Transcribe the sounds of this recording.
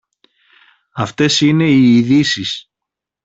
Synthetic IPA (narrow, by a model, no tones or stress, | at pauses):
ɐft̪e̞sine̞iːðisis